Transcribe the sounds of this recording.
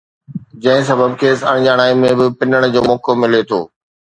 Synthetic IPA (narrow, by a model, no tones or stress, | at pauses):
d͡ʑɐ̃ɦɪ̃s̬ɐbəbkʰeːsɐ̰ɽ̃d͡ʑaːɽ̃aːĩmẽbɪpɪnəɽ̃d͡ʑoːmɔːkomɪlet̪ʰo̰ː